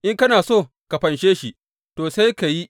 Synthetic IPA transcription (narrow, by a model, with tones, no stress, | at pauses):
ʔɪ˦ŋkɐ˦naː˨soː˦˨ | ka˨ɸɐ˨nʃeː˦ʃi˨ | toː˨sa˦jka˨ji˦